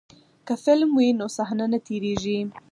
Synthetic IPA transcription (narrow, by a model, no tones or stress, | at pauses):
kafɪlmwinosaɦnanat̪eɾeʒi